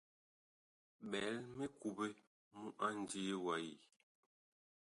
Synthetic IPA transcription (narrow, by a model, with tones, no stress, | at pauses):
ɓɛ˨˦lme˦ku˨be˦ | mu˦ʔa˦n˨d͡ʒi˦wa˨˦ji˨